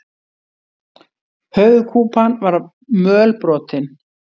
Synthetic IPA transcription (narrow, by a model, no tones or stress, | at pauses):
hœɥɣkʰuːpanvaɾ | mœːlpɾɔːt̪ɪn